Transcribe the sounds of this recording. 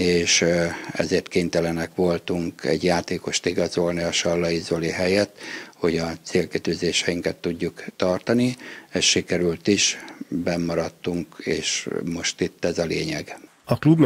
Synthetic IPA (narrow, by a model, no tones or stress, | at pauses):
eːʃɛ̰zeːrt̪keːnt̪ɛlɛnɛkʋo̞lt̪uŋkɛ̰ɟjaːt̪eːko̞ʃt̪iɡɒzo̞lniɒʃɒlːɒjizoliɦɛjɛt̪ho̞ɟɒt̪seːlkit̪yːzeːʃɛjiŋkɛt̪ːuɟːukt̪ɒrt̪ɒniɛsʃikɛɾylt̪iʃbɛmːɒɾɒt̪ːuŋkeːʃmo̞ʃt̪it̪ːɛzɒleːɲɛɡ | ɒklubn